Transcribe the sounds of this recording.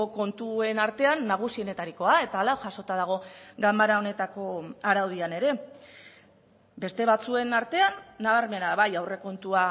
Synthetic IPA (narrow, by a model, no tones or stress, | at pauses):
oko̞nt̪ue̞naɾt̪e̞anːaɣ̞usio̞ne̞t̪aɾiko̞ae̞t̪aːlaʝaso̞t̪að̞aɣ̞o̞ɡambaɾao̞ne̞t̪ako̞aɾawð̞iane̞ɾe̞ | be̞st̪e̞βat͡sue̞naɾt̪e̞anːaβaɾme̞naβajawre̞ko̞nt̪ua